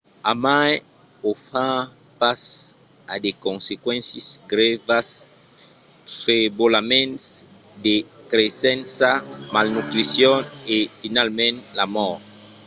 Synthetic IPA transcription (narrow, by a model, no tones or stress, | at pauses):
amaj | ofã | pas | ad̪ekõnsekwɛ̃nsisɡɾɛvas | ɾebolamẽnt̪s | d̪ekɾesɛ̃nsamalnut̪ɾisjɔnefinalmɛ̃nlamɔɾ